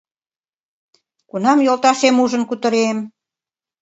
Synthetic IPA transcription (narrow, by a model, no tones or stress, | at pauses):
kunɑmjolˠt̪ɑʃemuʒə̆nkut̪ə̆ɾem